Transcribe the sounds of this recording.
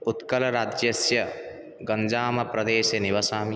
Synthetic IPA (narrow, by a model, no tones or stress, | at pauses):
ut̪kɐlɐɾaːd͡ʒjɐsjɐ | ɡɐɲd͡ʒaːmɐpɾɐd̪eːʃɐniʋɐsaːmi